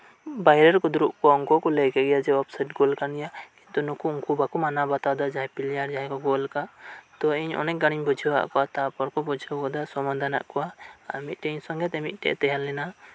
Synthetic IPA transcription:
bajɾɛɾkɔd̪uɾuʔkɔɔŋkɔkɔlɛɡɛɡɛjad͡ʒɛɔpsaʈ̚ɡɔlkanijakint̪ɔnukuɔŋkubakɔmanabat̪ad̪ad͡ʒaɛpiljaɾd͡ʒaɦɛkɔɡɔlkaʔt̪ɔɛɲɔ̰nɛk̚ɡaɽ̃iɲbɔd͡ʒʱəwa̰ʔkɔwat̪apɔɾkɔbɔd͡ʒʱəɔd̪asɔmad̪ana̰ʔkɔwaamit̪̚ˀʈɛɲsɔŋɡɛt̪ɛmit̪̚ˀʈɛ̰ʔt̪ɛɦalːɛna

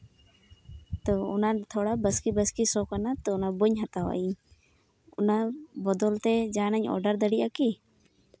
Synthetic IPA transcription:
t̪ɔʊnat̪ʰoɽabəskibəskisɔkanat̪ɔnabuɲɦat̪awa̰ʔiɲ | ʊnabɔd̪ɔlt̪ɛd͡ʒaːnaɲɔ̰ɾɖəɾd̪əɽiʔaki

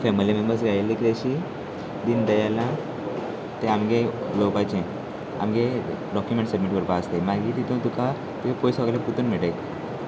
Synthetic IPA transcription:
fɛmilimembəɾsɾalːikɾeɕi | d̪ind̪əjalã | t̪ɛ̃amɡẽlopat͡ɕẽ | a̰mɡe | ɖɔkjumẽɳʈsəbmiʈʋəɾpaəst̪emaɡit̪it̪õt̪uka | t̪iepojsɔɡlaput̪uːnmɛʈek

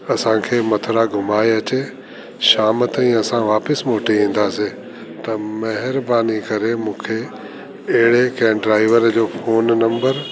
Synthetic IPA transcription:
ɐsãkʰeːmɐt̪ʰɾaɡʱʊmaːeɐt͡ɕe | ʃaːmət̪aĩɐsãʋaːpɪsmoːʈiĩːn̆d̪aːse | t̪ɐmɐɦɪɾbaːnikɐɾemũːkʰe | ɐɦɪɽekɛ̃ːɖɾaːɪʋəɾd͡ʑoːfoːnnɐ̃mbəɾ

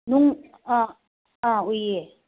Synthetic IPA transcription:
nuŋ | a | aoje

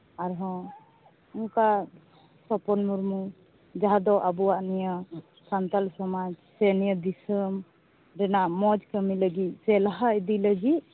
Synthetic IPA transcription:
aɾɦɔ̃ | uŋka | sɔpɔnmuɾmu | d͡ʒaɦad̪ɔʔabuwaʔnijə | sant̪alsɔmad͡ʒsɛnijəd̪isəm | ɾɛnaʔmɔd͡ʒkəmiləɡit̪̚ˀsɛlaɦaid̪iləɡit̪̚

